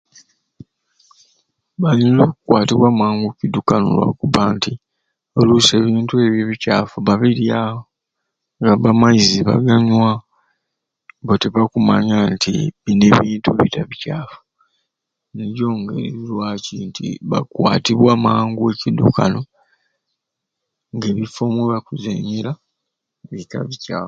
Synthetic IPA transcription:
βalinlokukwaːtiβwaːmaːŋɡucidukano̰lwa̰kuβaːnti | oluse̞ːβiːntue̞βjeβicaːfuβaβiɾja | ŋɡaβamaiziβa̰ɡaɲwa | βoteβakumaɲantiβine̞βiːntuβḭtaβicaːfu̥ | neɾjo̞ːŋɡḛɾeiɾwacintʰḭβa̰kwa̰ːtiβwaːmaːŋɡue̞cidṵka̰no̞ | ŋɡe̞ːβifo̞mweβakuzḛɲela | βita̰βica̰ːf

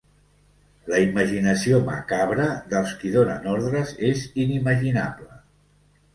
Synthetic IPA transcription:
ləiməʒinəsiomə̰kaβɾəðəlˠskiðonənɔɾðɾəzeziniməʒinaβlə

